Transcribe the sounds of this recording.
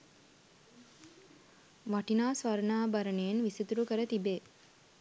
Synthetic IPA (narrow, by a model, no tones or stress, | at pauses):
ʋaʈinaːsʋaɾnaːbaɾənejenʋisit̪uɾukəɾət̪ibeː